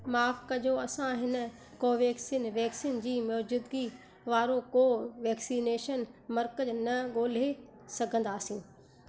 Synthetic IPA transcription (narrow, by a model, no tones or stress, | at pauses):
maːfkɐʄoɐsãɦɪn̆ | koːʋɛːksiːnʋɛːksiːnd͡ʑiːmoːd͡ʑʊd̪ɡi | ʋaːɾokoːʋɛːksiːneːʃənmɐɾkəd͡ʑnɐɠoːl̤e | sɐɡʱə̃nd̪aːsĩː